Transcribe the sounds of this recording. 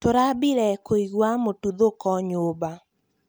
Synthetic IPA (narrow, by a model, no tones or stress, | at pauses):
toɾabiɾɛkoiɣwamotud̪okɔɲoba